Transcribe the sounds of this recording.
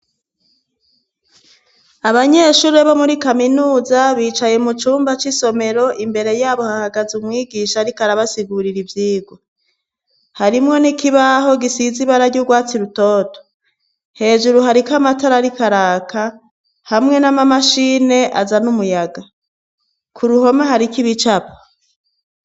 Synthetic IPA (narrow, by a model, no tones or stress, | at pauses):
aβaɲe̞ʃuːɾe̞βomuɾikaminuːzaβiːt͡ʃaje̞mut͡ʃuːmbat͡ʃiso̞me̞ɾo̞ʔimbe̞ɾe̞jaːβo̞hahaɡazumŋiːɡiːʃaɾikaɾaβasiɡuɾiɾivjiːɡwo | haɾimŋo̞nikiβaɦo̞ɡisiziβaɾaɟuɡwaːt͡siɾuto̞ːto̥ | he̞ːʒuɾuɦaɾikamataɾaɾikaɾaːkʰa | hamŋe̞namamaʃiːne̞ʔa̰zanumujaɡa | kʰuɾuho̞maɦaɾikiβit͡ʃapo̥